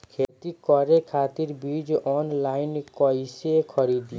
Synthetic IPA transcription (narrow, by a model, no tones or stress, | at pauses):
kʰet̪ikɔɾekʰat̪iɾbid͡ʒɔnlajnkɔjsekʰɔɾid̪